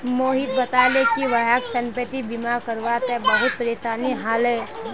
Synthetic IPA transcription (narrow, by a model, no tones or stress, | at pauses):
moːɦit̪̚bɐt̪alekiʋəɦaksɐ̃mpət̪ibimaɾkəɾʋat̪ebɐɦʊt̪̚pəɾeːsaːniɦaːlɦɛː